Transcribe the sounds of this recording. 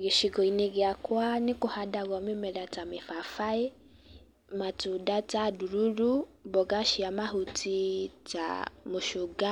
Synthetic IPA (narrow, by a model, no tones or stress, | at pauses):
ɣiʃiɡɔineɣeakwanikohadaɣɔmimɛdatamifafae | matudataduɾuɾubɔɡaʃiamaɦutita̰moʃuɡa